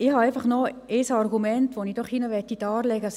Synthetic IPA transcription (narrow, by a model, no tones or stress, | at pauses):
ɪhɑɛɪfɑχnɔesɑrɡumɛntʋonidɔχinəʋɛtidɑːrlɛɡə